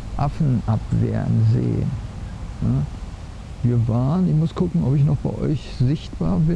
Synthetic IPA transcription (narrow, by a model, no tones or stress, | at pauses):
ʔafn̩ʔapv̥ḛːʁənzḛːənna | viːɐvaːənɪçmʊskʰʊkŋ̩ɔpɪçnɔχb̥aɪʔɔ̰ʏç | zɪçt̚b̥a̰ːɐbɪ